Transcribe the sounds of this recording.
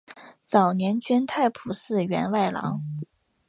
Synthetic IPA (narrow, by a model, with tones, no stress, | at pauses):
t͡sɑ˨˩ʊnjɛ˧˥nt͡ɕɥɛ˥nt̪ʰa˥˩ɪpʰu˨˩ʂɹ̩˥˩ɥɛ̰˧˥nwa˥˩ɪlɑ̰˧˥ŋ